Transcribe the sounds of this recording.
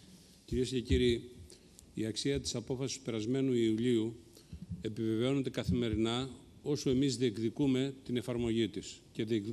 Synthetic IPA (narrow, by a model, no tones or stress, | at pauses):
ciɾie̞sce̞ciɾiː | iɐksiɐt̪i̥sɐpo̞fɐsi̥st̪u̥pe̞ɾɐzme̞nuiuʎiu | e̞pive̞ve̞o̞ne̞nd̪e̞kɐθime̞ɾinɐo̞soe̞mizðie̞kðikume̞t̪ine̞fɐɾmo̞ʝit̪isce̞ðiek